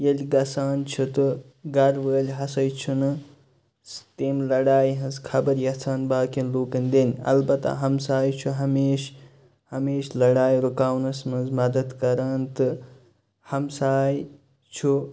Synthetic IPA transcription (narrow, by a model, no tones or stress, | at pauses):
jelʲɡɐsaːnt͡ʃʰut̪ɨ | ɡɐɾʋəːlʲɦɐsɐjt͡ʃʰunɨ | st̪emlɐɽaːjɦɐ̃nzkʰɐbɐɾjɐt͡sʰaːnbaːkinloːkɐnʲd̪enʲɐ̰lbɐt̪a̰ɦɐmsaːjt͡ʃʰuɦɐmeːʃ | hɐmeːʃlɐɽaːjɾukaːwnɐsmɐnzmɐd̪ɐd̪kɐɾɐnt̪ɨ | hɐmsaːj | t͡ʃʰu